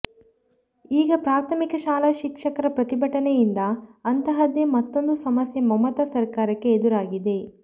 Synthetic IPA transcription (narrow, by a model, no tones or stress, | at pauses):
iːɡɐpɾaːɾt̪ʰɐmikɐʃaːlɐʃikʂɐkɐɾɐpɾɐt̪ibɐʈɐnejind̪ɐːnt̪ɐɦɐd̪emɐt̪ːo̞nd̪usɐmɐsjɐmɐmɐt̪ɐsɐɾkaːɾɐkːeːd̪uɾaːɡid̪e̞